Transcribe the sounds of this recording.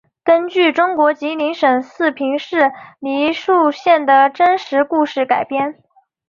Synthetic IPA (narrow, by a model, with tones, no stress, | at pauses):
kə˥nt͡ɕy˥˩ʈ͡ʂʊ˥ŋkwɔ˧˥t͡ɕi˧˥li˧˥ŋʂə˨˩ŋsɹ̩˥˩pʰi˧˥ŋʂɻ̩˥˩li˧˥ʂu˥˧ɕjɛ˥˩nd̪ə˩ʈ͡ʂə˥nʂɻ̩˧˥ku˥˧ʂɻ̩˥˩ka˨˩ɪpjɛ˥n